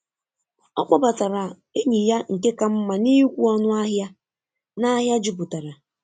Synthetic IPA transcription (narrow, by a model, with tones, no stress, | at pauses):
ɔ˦k͡pʷa˦ba˨ta˨ɾa˨ | e˦ɲi˨ja˦ŋ̩˨ke˦ka˨m̩˦ma˨ni˦kʷu˦ɔ˦nʊ˦a˦ɦja˦ | na˦ɦja˦d͡ʒi˦˨bu˨ta˨ɾa˨